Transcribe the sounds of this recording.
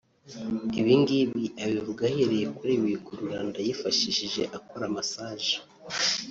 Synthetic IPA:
iβiŋɡiβiʔaβiβuɡaheɾejekuɾeβikuɾuɾaːndajifaʃiʃiʒe̞̰ʔakoɾamasaːʒe̥

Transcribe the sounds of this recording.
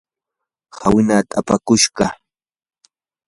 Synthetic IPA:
hawɪnaːt̪ʼapakʊʃɢɑ

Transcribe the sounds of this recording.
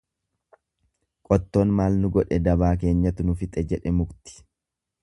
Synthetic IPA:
kʼɔt̪ːo̞ːnmaːlnʊɡɔᶑɛd̪ɐbaːk̬e̞ːɲːɐt̪ʊnʊfɪt̪ʼɛd͡ʒɛᶑɛmʊɡt̪ɪ̥

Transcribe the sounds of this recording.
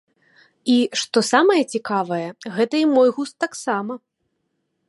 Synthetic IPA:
iʂt̪ɔsamɐjɐt͡sʲikavɐjɛɣɛt̪ɐimɔjɣust̪ːaksamɐ

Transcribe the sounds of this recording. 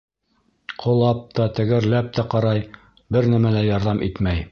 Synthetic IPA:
qʰŏlˠɑp̚t̪ɑt̪ɘ̆ɡɘ̆ɾlæp̚t̪æqɑɾɑj | bɘɾnæmælæjɑɾðɑmʔit̪mæj

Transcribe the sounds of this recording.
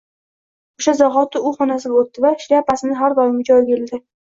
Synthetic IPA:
oʃazɒɦɒt̪ːɪʊχɒnasɪɡ̪ʲot̪ːɪvaʃɪɾʲapasɪnɪɦaɾd̪ɒjɪmʲɪd͡ʒɒjɡʲeld̪ɪ

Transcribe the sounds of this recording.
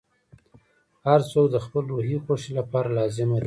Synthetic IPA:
haɾsokd̪əxpəlɾoɦixoʃilapɑɾalɑzɪmaɾi

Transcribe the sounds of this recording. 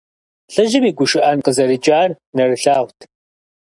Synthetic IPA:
ɬɨʒɪmiːɡʷʊʃɪʔɐnqəzɐɾɨd͡ʒʼaːr | nɐrɨɬaːχʷtʰ

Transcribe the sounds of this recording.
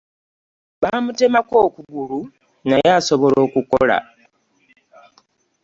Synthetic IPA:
βamute̞mako̞ːkuɡulu | najaso̞βo̞lo̞ːkuko̰la̰

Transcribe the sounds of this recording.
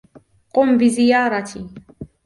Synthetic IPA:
qʼɔmbizijaːɾat̪ʰi

